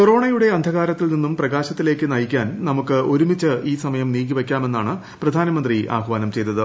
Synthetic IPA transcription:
koro̞ːɳɐjuɽe̞ɐnd̪ʱɐɣaːɾɐt̪ːilninːumprɐɣaːɕɐt̪ːile̞ːkːɨnɐjikʲːaːnnɐmukːɨo̞ɾumit͡ɕːɨiːsɐmɐjɐmniːɡiʋekʲːaːme̞nːaːɳɨ | prɐd̪ʱaːnɐmɐnd̪riʔa̰ːɦuʋaːnɐmt͡ɕe̞jt̪ːɐðɨ

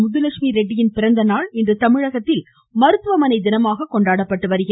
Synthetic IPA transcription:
mʊðɯlɐkʂmiɾɛɖːɪjɪnpɪɾɐnd̪ɐnaːɭɪndrɯt̪ɐmɪɻɐɣɐt̪ːɪl | mɐɾɯt̪ːʋɐmɐnɐɪd̪ɪnɐmaːɣɐkɔɳɖaːɽɐpːɐʈːɯʋɐɾɯɣɪ

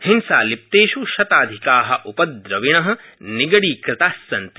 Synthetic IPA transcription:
hɪnsaːlip̚t̪eːʃuʃɐt̪aːd̪ʱikaːɦɐ̆ʔupɐd̪ɾɐʋiɳ̃ɐɦɐ̆ | niɡɐɽiːkɾɪt̪aːsːɐnt̪

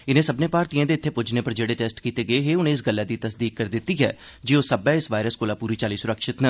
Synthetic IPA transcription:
ɪnẽːsəbnẽːpaːɾt̪iːãːd̪eːɪt̪ʰːeːpʊd͡ʒneːpəɾd͡ʒeːɽeːʈeːsʈkiːt̪eːɡəeːɦeːʊnẽːɪs̬ɡəlːaːd̪iːt̪əsd̪iːk̚ːəɾd̪ɪt̪ːiːɦɛ̰ː | d͡ʒiːoːsəbɛːɪsʋaːɪɾəskoːlaːpuːɾiːt͡ʃaːliːsʊɾəkʃɪt̪nə

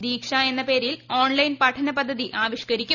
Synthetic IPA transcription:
d̪iːkʂɐe̞nːɐpe̞ːɾilo̞ːɳlɐjnpɐʈʰɐnɐpɐd̪ʱːɐðiʔaːʋiɕkɐɾikʲːu

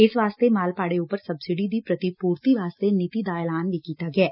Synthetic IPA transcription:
ɪsʋaːst̪emaːlpaːɽeuːpəɾsɐbsɪɖid̪ʱipɾɐt̪ipuːɾt̪iʋaːst̪enit̪id̪aːelaːnbʱikiːt̪aɡɛː

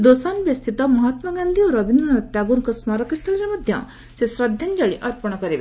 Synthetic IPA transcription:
d̪osanʋjɐst̪ʰit̪amɐɦat̪mɐɡand̪ʱioɾɐbind̪unɐʈjaɡuɾkɐsmaɾɐkist̪ʰɐliɾemɐd̪ʱjɐ̰ | sesɾɐd̪ʱjɐnd͡ʒɐɭiʔɐɾpɐɽ̃ɐkɐɾeʋe

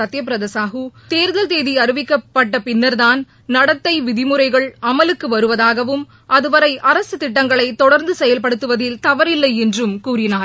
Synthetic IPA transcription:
ɐt̪ːjɐp̬ɪɾɐðeːsaːɦɯt̪eːɾɯðɐlt̪eːðiɐɾɯʋɪkːɐpːɐʈːɐpɪnːɐɾðaːn | nɐɽɐt̪ːɐɪʋɪðɪmɯɾɐɪɣɐɭɐmɐlɯkːɯʋɐɾɯʋɐðaːɣɐʋɯm | ɐðɯʋɐɾɐɪʔɐɾɐsɯt̪ɪʈːɐŋɡɐɭɐɪt̪ɔɽɐɾnd̪ɯsɛjɐlpɐɽɯt̪ːɯʋɐðɪlt̪ɐʋɐɾɪlːɐɪɛndrɯmkuːrɪnaːɾ

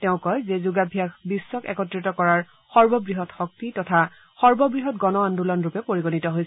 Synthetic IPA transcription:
tɛʊ̃kɔjzɛzuɡabʱiakbisːɔkɛ̰kɔtɹitɔkɔɹaɹ | xɔɹbɔbɹiɦɔtxɔk̚titɔtʰa | xɔɹbɔbɹiɦɔtɡɔnɔandulɔnɹupɛpoɹiɡonitɔɦojs

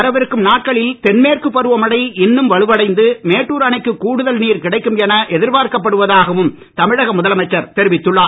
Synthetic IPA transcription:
ɐɾɐʋɪɾɯkːɯmnaːʈ̚kɐɭɪlt̪ɛnmeːrkɯpːɐɾɯʋɐmɐɽɐɪɪnːɯmʋɐɭɯʋɐɽɐɪnd̪ɯmeːʈːuːɾaːnɐɪkːɯkuːɽɯðɐlniːɾkɪɽɐɪkːɯmɛnɐʔɛðɪɾbaːɾkɐp̬ːɐɽɯʋɐðaːɣɐʋɯm | t̪ɐmɪɻɐɣɐmʊðɐlɐmɐɪt͡ʃːɐɾt̪ɛɾɪʋɪt̪ːɯɭːaː

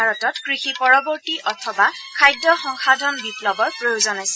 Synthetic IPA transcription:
aɹɔtɔtkɹixipɔɹɔbɔɹtiʔɔtʰɔbakʰajdːɔxɔŋxadʱɔnbiplɔbɔɹpɹojuzɔnajsɛ

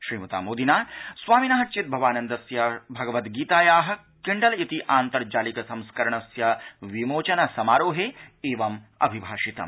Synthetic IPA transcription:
ʃɾiːmɐt̪a̰ːmoːd̪inaːswaːminaːɦɐt͡ʃit̪̚bʱɐʋaːnɐnd̪ɐsjɐbʱɐɡɐʋɐt̪ɡiːt̪aːjaːɦɐ̆ | kɪɳɖɐlit̪iʔaːnt̪ɐɾd͡ʒaːlikɐsɐ̃mskɐɾɐɳɐsjɐʋimoːt͡ʃɐnɐsɐmaːɾoːɦeeːʋɐmɐ̰bʱibʱaːʃit̪ɐ̰m

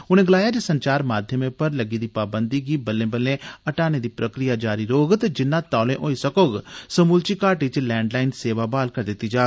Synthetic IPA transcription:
ʊñẽːɡɐlaːjaːd͡ʒesə̃ɲt͡ʃaːɾmaːd̪ʱjəmẽpɐɾlɐɡid̪iːpaːbə̃nd̪iɡiːbɐlːẽːbəlːẽɐʈaːned̪iːpɾəkɾɪjad͡ʒaːɾiɾoːɡt̪ed͡ʒɪnːãːt̪aːlẽʔoːisɐkoːɡsəmuːlt͡ʃikaːɾʈɪt͡ʃlɛ̃ːɳɖlaːɪnseːʋabaːlkɐɾd̪ɪt̪ːid͡ʒaː

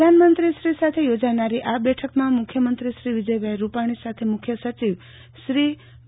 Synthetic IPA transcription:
anmənt̪ɾiʃɾisat̪ʰejod͡ʒanaɾiʔabɛʈʰəkmãmʊkʰjəmənt̪ɾiʃɾiʋid͡ʒəjbʱajɾupaɽ̃isat̪ʰemʊkʰjəsət͡ʃiʋ | ʃɾi

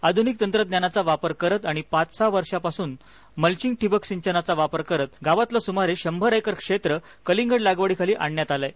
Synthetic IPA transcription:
ad̪ʱunik̚t̪ənt̪ɾəd̪njanat͡saʋapəɾkəɾət̪aɽ̃ipãt͡ssaʋəɾʂapasuːn | məlt͡ɕiŋɡ̚ʈʰibəksiɲt͡ɕənat͡saʋapəɾkəɾət̪ɡaʋat̪ləsumaɾeɕəmbʱəɾəjkəɾkʂet̪ɾə | kəliŋɡəɽlaɡʋəɽikʰaliːʔaɳjat̪alaj

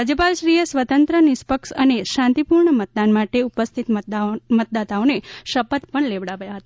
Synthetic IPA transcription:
ɾad͡ʒjəpalʃɾijəsʋət̪ənt̪ɾənɪspəkʃəneʃãnt̪ipuɾɳəmət̪̚d̪anmaʈeupəst̪ʰit̪mət̪̚d̪at̪aoneʃəpət̪pəɳleʋɽaʋjaɦət̪a

